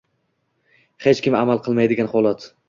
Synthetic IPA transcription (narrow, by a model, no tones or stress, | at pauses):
he̞t͡ʃkʲɪmamalˠqʰɨlˠmajd̪ɪɡʲanχɒlˠat̪